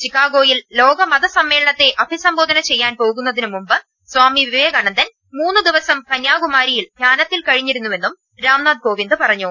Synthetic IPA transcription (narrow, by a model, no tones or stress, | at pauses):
t͡ɕikːaːɡo̞ːjillo̞ːɡɐmɐðɐsɐmːe̞ːɭɐɳɐt̪ːe̞ʔɐbʱisɐmbo̞ːd̪ʱɐnɐt͡ɕe̞jːaːnpo̞ːɣun̪ːɐðinɨmumbɨ | sʋaːmiʋiʋjɡɐɳɐnd̪ɐn | muːnːɨd̪iʋɐsɐmkɐɲjaːɡumaːɾijild̪ʱjaːnɐt̪ːilkɐɻiɲːiɾunːuʋe̞nːum | ɾaːmnaːd̪̚ko̞ːʋind̪ɨpɐrɐɲːu